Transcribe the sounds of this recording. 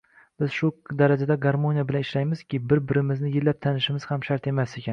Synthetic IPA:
b̥ɪz̥ʃʊd̪aɾad͡ʒad̪aɡaɾmonijabɪlanɪʃlajmɪz̥kʲɪbɪɾbɪɾɪmɪznɪjɪlːap̚t̪ʰanɪʃɪmɪz̥hamʃaɾt̪e̞mase̞kʲan

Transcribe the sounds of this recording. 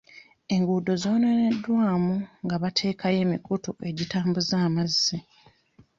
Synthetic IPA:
e̞ŋɡuːdo̞zo̞ːnenedːwaːmuŋɡaβatʰe̞ːkʰaje̞ːmḭkutuʔe̞ɟitaːmbuzaːmazːi

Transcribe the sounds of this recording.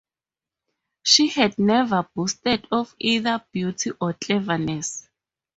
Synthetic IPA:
ʃihɛdnɛvabustɛdɔfiðab̥jutʰiʔɔt͡ɬʼɛvanɛs

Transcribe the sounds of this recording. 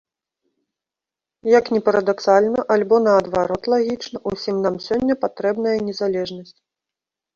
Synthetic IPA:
jɐknʲɛpɐɾɐd̪aksalʲnɐʔalʲbɔnɐɐd̪vaɾɔt̪lˠaɣʲit͡ʂnɐʔusʲimnamsʲɔnʲːɐpat̪ɾɛbn̪ɐjɐnʲɛzalʲɛʐnɐsʲt͡sʲ

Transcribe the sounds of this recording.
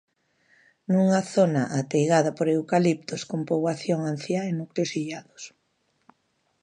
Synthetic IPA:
nuŋaθonaʔat̪ejɣaðɐpoɾewkalip̚t̪oskompoβwaθjoŋan̟θjaenukleosiʎaðʊs

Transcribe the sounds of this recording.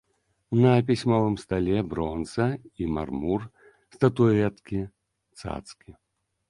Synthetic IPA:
nɐpʲisʲmɔvˠɨmst̪alʲɛbɾɔnt̪sɐima̰rmur | st̪ɐt̪uɛt̪kʲi | t̪sa̰t̪skʲi

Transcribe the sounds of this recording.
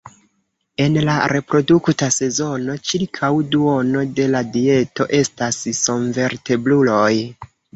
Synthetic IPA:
e̞nlaɾe̞pɾo̞duktase̞zo̞no̞t͡ʃiɾkʰawduo̞no̞de̞ladie̞to̞ʔe̞stasso̞nve̞ɾte̞blulo̞j

